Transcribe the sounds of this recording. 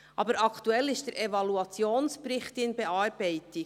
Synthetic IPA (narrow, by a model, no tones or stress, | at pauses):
ʔɑːbəɾɑkʰtuɛlɪʃtd̥ɛɾʔɛvɑluɑt͡sjoːnspɾɪχtɪnbɛɑːɾbɛɪtɪ